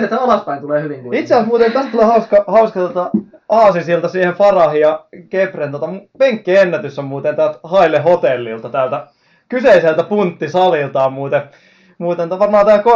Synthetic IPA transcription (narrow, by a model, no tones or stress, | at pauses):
et̪æɑlɑspæint̪uleːhyʋiŋit̪seæsmuːt̪ent̪æst̪ulehɑuskɑhɑuskɑt̪ot̪ɑɑːsisilt̪ɑsiːhefɑrɑhijɑkeprent̪ot̪ɑmupeŋkːienːæt̪ysːommuːt̪ent̪ælt̪hɑilehot̪elːḭlt̪ɑt̪æˑlt̪æ | kyseiselt̪æpunt̪ːisɑlilt̪ɑːmmuːt̪e | muːt̪ent̪æʋɑrmɑːt̪æːko